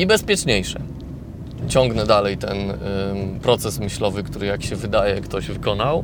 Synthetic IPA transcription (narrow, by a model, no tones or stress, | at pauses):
ibɛspʲjɛt͡ʂɲejʂɛ | t͡ɕɔŋɡnɛd̪alɛjt̪ɛn | pɾɔt̪sɛsmɘɕlɔvɘkt̪uɾɘjakɕɛvɘd̪ajɛkt̪ɔʑvɘkɔnaw